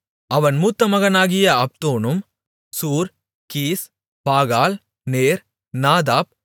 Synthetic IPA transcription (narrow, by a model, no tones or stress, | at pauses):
ɐʋɐnmuːt̪ːɐmɐɣɐnaːɣɪjɐɐp̚t̪oːnɯm | suːɾ | kiːs | paːɣaːl | neːɾ | naːd̪aːp̚